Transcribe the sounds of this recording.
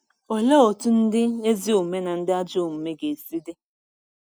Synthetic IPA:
o˨le˦o˨tu˦n̩˦dɪ˦e˦zi˦o˨me˦na˨n̩˦dɪ˦a˦d͡ʒʊ˦˨m̩˨me˦ɡe˨si˦de˦

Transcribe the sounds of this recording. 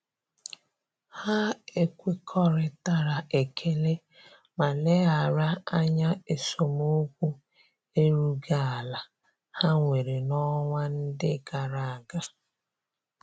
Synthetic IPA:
ha˦e˦kʷi˦kʰɔ˦ɾɪ˨ta˦ɾa˨e˨kʰe˦le˦ | ma˨ne˦a˨ɾa˦a˦ɲa˦e˨so˨mo˦kʷu˦ | e˦ɾu˦ɡa˦a˨la˨ | ha˦ŋʷe˨ɾe˨nɔ˦ŋʷa˦n̩˦dɪ˦˨ɡa˨ɾa˨a˨ɡa˦

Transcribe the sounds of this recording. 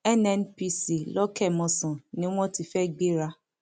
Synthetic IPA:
ɛ˦nɛ˦npi˧si˨lɔ˦kɛ˦˨mɔ̃˨sɔ̃˨nĩ˦w̃ɔ̃˦ti˧fɛ˦˨ɡ͡be˦ɾa˧˦

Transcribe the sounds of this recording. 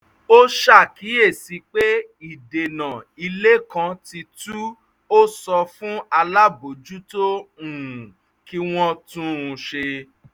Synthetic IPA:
o˦ʃa˦˨ki˨˦e˦˨si˧k͡pe˦ | i˦˨de˨nã˨i˧le˦kã˧˦ti˧tuu˦ | o˦sɔ˧fũ˦a˧la˦bo˨d͡ʒu˦to˦ũ˨ | ki˦w̃ɔ̃˦tũ˦ũ˧ʃe˧

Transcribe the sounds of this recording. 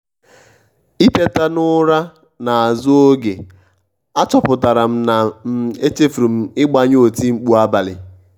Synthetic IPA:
i˦te˦ta˦nʊ˦ɾa˦ | na˨a˨zʊ˦o˦ɡe˨ | a˦t͡ʃɔ˨pʊ˨ta˨ɾa˨m̩˦na˨m̩˦e˦t͡ʃe˦fu˨ɾu˨m̩˦ɪ˦ɡ͡ba˦ɲ˦o˨ti˦ŋ͡m̩˦k͡pu˦a˦ba˨lɪ̰˨

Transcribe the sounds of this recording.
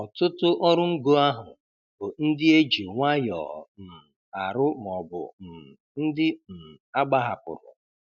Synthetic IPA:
ɔ˨tʊ˦tʊ˦ʔɔ˦ɾʊ˦ŋ̩˦ɡo˦a˦ɦʊ˨ | b̥ʊ˨n̩˦dɪ˦e˦d͡ʒi˨ŋʷa˦jɔ̰˨m̩˨ | a˨ɾʊ˦m˨ɔ˨bʊ̰˨m̩˨ | n̩˦dɪ˦m̩˨a˦ɡ͡ba˦ɦa˨pʊ̰˨ɾʊ̰˨

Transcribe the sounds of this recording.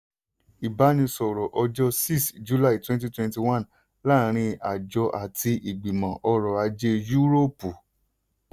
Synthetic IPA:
i˨ba˨˦nĩ˧sɔ˨ɾɔ˨ʔɔ˧d͡ʒɔ˦si˦˨sd͡ʒu˨˦la˦˨i˨twɛ̃˦t̬i˦twɛ̃˧nti˧wã˦˨n | la˦˨ɾ̃ĩ˧a˨d͡ʒɔ˧ʔa˨tʰi˧ʔi˨ɡ͡bi˨mã˨ʔɔ˧ɾɔ˨a˧d͡ʒe˧ju˦ɾo˦˨pu˨

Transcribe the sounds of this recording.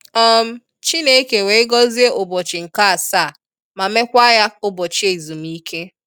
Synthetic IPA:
ɔ˦m̩˦ | t͡ʃi˦ne˦ke˨we˨ɪ˦ɡɔ˦zi˦e˦ʔʊ˨bo˨t͡ʃɪ˨ŋ̩˨ka˦a˨sa˦˨ | ma˨me˦kʷa˦ja˦ʊ˦bo˨t͡ʃi˦e˨i˨zu˨m˨i˦kʰe˦

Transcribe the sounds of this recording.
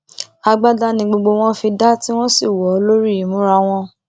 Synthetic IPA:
a˧ɡ͡ba˦da˦nĩ˧ɡ͡bo˧ɡ͡bo˧w̃ɔ̃˦fi˧da˦ti˦w̃ɔ̃˦si˦˨wɔ˨o˦lo˦ɾi˦i˨˦mũ˨˦ɾa˧w̃ɔ̃˦

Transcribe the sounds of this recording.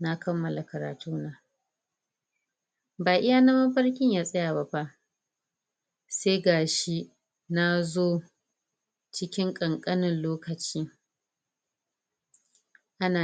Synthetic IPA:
na˦kɐ˦mːɐ˨la˨kɐ˨ɾa̰ː˨tuː˦naː˨ | baː˨ʔɪ˦ja˦na˦mɐ˦ɸɐ˦ɽkʲɪ˦ɲjaː˦sʼɐ˦ja˨ba˦ba˦ʔ | seː˦ɡaː˨ʃi˦ | na˦zoː˦ | t͡ʃɪ˦kʲɪ˦ŋkʼɐ˨ŋkʼɐ˦nɪ˨nloː˦kɐ˨t͡ʃiː˦ | ʔa˦naː˨

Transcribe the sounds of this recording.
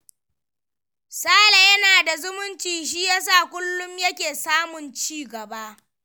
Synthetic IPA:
saː˦la˨jɐ˦naː˨da˨zʊ˦mʊ˦nt͡ʃiː˨ʃ̬iː˦jaː˦s̬aː˦˨kʷʊ˦lːʊ˦mjɐ˦kʲeː˨saː˦mʊ˨nt͡ʃiː˦˨ɡɐ˨ba˦ʔ

